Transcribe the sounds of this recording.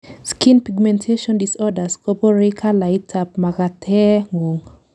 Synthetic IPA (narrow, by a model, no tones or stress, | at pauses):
skinpiɡmɛ̃ntʰeʃɔndisɔdaskɔpɔɾekʰalajtʰap̚makatʰɛŋoŋ